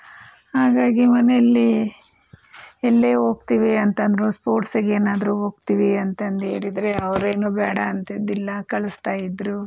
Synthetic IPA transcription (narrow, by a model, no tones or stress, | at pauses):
haːɡaːɡimɐnejɐlːi | ɛlːeːɦo̞ːɡ̚t̪iʋiɐnt̪ɐnd̪ɾospo̞ːɾʈsɐɡe̞ːnaːd̪ɐɾuɦo̞ːɡ̚t̪iʋiɐnt̪ɐnd̪e̞̰ːɽid̪ɾeɐʋɾeːnuːbɛːɽɐːnt̪ed̪ilːɐkɐɭɐst̪aːjid̪ɾu